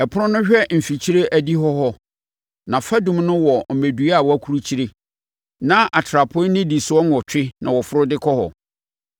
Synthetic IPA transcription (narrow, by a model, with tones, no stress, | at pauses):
ɛ˨pʰʊ˦ɾʊ̃˦nʊ̃˦ɕᶣɛ˦m̩˨fi˨t͡ɕʰi˦ɾe˦ʔæ˦di˦ɦɔ˦ɦɔ˦ | nã˨fa˦dũ˦mnʊ̃˦wɔ˨m̩˨me˨du˨˦a˦˨wɔ˨˦æ˦kʰu˨ɾu˦t͡ɕʰi˦ɾe˨ | nã˦ʔa˨tʰɾa˨pʰʊ̃˦nɪ̃˦di˨sʊ˨ɔ˦n˦ɔ˨t͡ɕᶣɪ˦nã˨wɔ˨fʊ˦ɾʊ˦dɪ˦kʰɔ˦hɔ̰˨